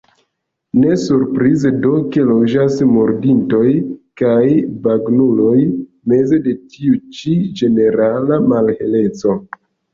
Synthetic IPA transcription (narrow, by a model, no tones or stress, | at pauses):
ne̞suɾpɾizedo̞ke̞lo̞d͡ʒasmoɾdinto̞jkajbaɡnulo̞j | me̞ze̞de̞tiut͡ʃid͡ʒe̞ne̞ɾalamalhe̞le̞t͡so̞